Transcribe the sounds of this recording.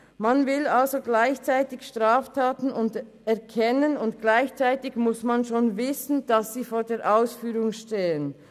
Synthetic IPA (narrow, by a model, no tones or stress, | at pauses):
manvɪlalzoɡlaɪçt͡saɪtɪçʃtʁ̥aːftʰaːtn̩ʊnt | ɛɐkʰɛnənʊntɡ̥laɪçt͡saɪtɪçmʊsmanʃoːnvɪsn̩d̥asz̥iːfoːɐdeːɐʔaʊsfyːʁʊŋʃteːən